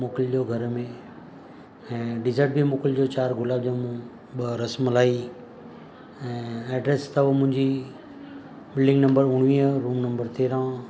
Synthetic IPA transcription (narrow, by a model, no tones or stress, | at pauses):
moːkɪld͡ʑoːɡʱɐɾmẽ | ɛ̃ːɖɪzəɾʈ̚bʱimoːkɪld͡ʑot͡ɕaːɾɡʱʊlaːb̚d͡ʑõːmũ | ɓɐɾɐsmlaːi | ɛ̃ːɛːɖɾeːst̪ɐʋmʊ̃ɦɪ̃ɲd͡ʑi | bɪlɖɪ̃ŋɡnɐ̃mbəɾʊɽ̃ʋiəɾuːmnɐ̃mbəɾt̪eːɾã